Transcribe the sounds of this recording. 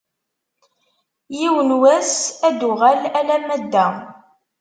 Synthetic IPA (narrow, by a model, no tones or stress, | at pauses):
jiwənwæsæd̪ʊʁælælæmæd̪ːæ